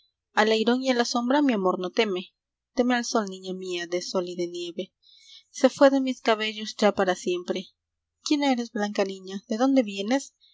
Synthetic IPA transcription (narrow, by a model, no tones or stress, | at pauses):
alajɾo̞nialaso̞mbɾamiamo̞ɾno̞t̪e̞me̞ | t̪e̞mealso̞lnĩɲamiaðe̞so̞liðe̞nje̞βe̞ | se̞fwe̞ðe̞miskaβe̞ʝosd͡ʒapaɾasje̞mpɾe̞ | kjeneɾe̞zblaŋkaniɲaðe̞ðo̞nd̪e̞βje̞ne̞s